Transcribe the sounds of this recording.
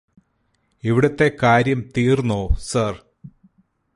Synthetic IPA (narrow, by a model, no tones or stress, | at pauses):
iʋiɽɐt̪ːe̞kaːɾjɐmt̪iːrnːoːsɐr